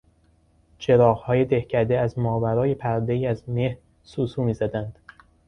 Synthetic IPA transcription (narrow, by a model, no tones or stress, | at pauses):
t͡ʃʰe̞ɾɒːɣhɒːje̞d̪e̞hcʰæd̪eæzmɒːvæɾɒːje̞pʰæɾd̪eiːæzme̞hɾ | suːsuːmiːzæd̪ænd̪̥